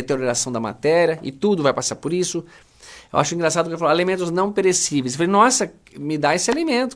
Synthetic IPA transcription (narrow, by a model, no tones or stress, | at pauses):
et̪eɾoɾasɐ̃w̃d̪ɐma̰t̪ɛɾjɐɪ̰t̪ud̪ʊvajpasaɾpoɾisʊ | ewʔaʃʊĩŋɡɾasad̪ʊkefalaalemẽnt̪ʊznɐ̃w̃peɾesivesfalejnɔsɐ | mɪd̪aesɪalemẽnt̪ʊ̥